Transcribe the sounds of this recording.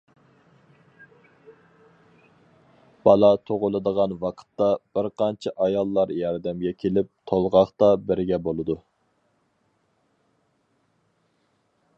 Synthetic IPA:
b̥ɑlˠɑt̪ʰoʁʊlˠɨd̪əʁɑnwɑqʰə̥t̪ːɑb̥ɪɾqʰɑnt͡ʃʰiʔɑjɑlˠːɑɾjɑɾd̪ɛmɡʲɛkʲʰelɪp̚t̪ʰolˠʁɑχt̪ɑbɪɾɡʲɛbolˠɨd̪u

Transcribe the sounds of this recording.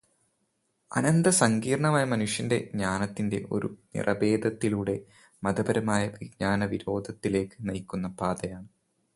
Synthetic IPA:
ɐ̰nɐnd̪ɐsɐŋɡiːɾɐɳɐmaːjɐmɐnuʂjɐnde̞ɲaːnɐt̪ːinde̞̰ʔo̞̰ɾṵnḭrʔɐ̰be̞ːd̪ɐt̪ːiluɽe̞ | mɐd̪ɐbɐɾɐmaːjɐʋiɡ̚ɲaːnɐʋiɾo̞ːd̪ʱɐt̪ːile̞ːkːɨ̥nɐjkːunːɐpaːd̪ɐjaːɳɨ

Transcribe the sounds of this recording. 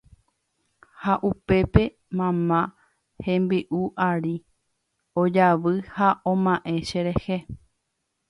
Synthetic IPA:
haʔupe̞pe̞ | mãmã | hẽ̞mbɨʔuʔaɾi | od͡ʒaʋɨhaõmãʔẽ̞ʃeɾe̞he

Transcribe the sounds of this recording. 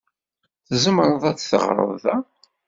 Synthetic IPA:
θəzəmɾˤəðˤæt͡sːθə̰ʁɾˤə̰ððæ

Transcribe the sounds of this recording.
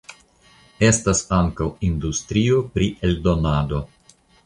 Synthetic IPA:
e̞stasaŋkawindustɾio̞pɾiʔe̞ldo̞nado̞

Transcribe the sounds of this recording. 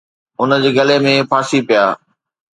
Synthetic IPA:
ʊnə̆d͡ʑeːɡɐlemẽpʰaːsipijaː

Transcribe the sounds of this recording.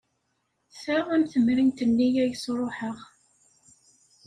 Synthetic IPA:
θəʁæmθəmɾint̪ənːijæjəsɾˤoħəʁ

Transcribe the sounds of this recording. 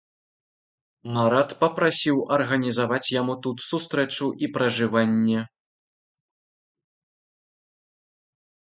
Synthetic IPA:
maɾat̪pɐpɾasʲiwɐrɣɐnʲizavat͡sʲjamut̪ut̪sust̪ɾɛt͡ʂuʔipɾɐʐɨvanʲːɛ

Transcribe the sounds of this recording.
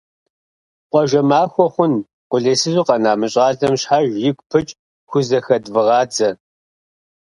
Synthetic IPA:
qʷʼɔʒʷɐmaːxʷɔχʷʊn | qʷʊɮeːsɨzʷuːqɐnaːmɨɕʼɑːɮɐmɕħaːʒjɪkʷpʰɨt͡ʃʼ | xʷʊzɐxɐdvɨʁɑːd͡zɐ

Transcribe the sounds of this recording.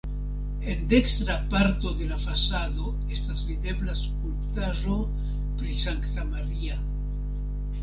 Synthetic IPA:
e̞nde̞kstɾapaɾto̞de̞lafasado̞ | e̞stasvide̞blaskulptaʒo̞ | pɾisaŋktamaɾia

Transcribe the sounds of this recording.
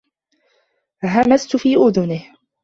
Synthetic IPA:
ɦamast̪ʊfiːʔʊðʊnɪh

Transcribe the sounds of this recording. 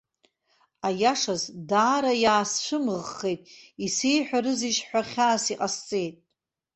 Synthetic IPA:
ajaʂazdaːɾajaːsʃʷɨmɨʁːe̞jtʼisejħʷᶣaɾɨziʃħʷᶣaχʲaːsiqʼast͡sʼe̞jtʼ

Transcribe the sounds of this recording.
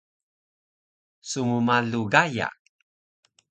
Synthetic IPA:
sumumaɮuɡaja̰

